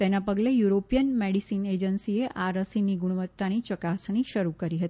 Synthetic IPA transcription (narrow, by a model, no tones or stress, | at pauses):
t̪enapəɡlejuɾopijənmeɽisined͡ʒənsieʔaɾəsiniɡuɽuʋət̪ːanit͡ʃəkasɳ̃iʃəɾukəɾiɦət̪i